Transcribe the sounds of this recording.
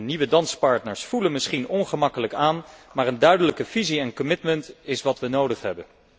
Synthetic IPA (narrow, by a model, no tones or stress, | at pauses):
niʋədɑnspɑɹtnəɹsfulənmɪsχinɔnχəmɑkələkaːnmaːɹəndœɥdələkəv̥iziɛnkɔmɪtməntɪsʋɑtʋənowdəχɦɛbən